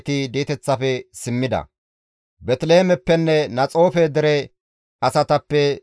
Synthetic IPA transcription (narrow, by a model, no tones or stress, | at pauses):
t̪ɪd̪iːt̪ɛt͡sːɐfɛsɪmːɪd̪ɐ̰ | bɛt̪leːmɛpːɛnːɛnɐt͡sʼo̞ːfɛd̪ɛɾɛ | ɐsɐt̪ɐpːɛ